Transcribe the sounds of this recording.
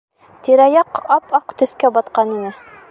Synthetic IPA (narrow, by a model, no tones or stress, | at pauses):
t̪iɾæjɑqɑpɑqt̪ɵ̆θkæbɑt̪qɑninɤ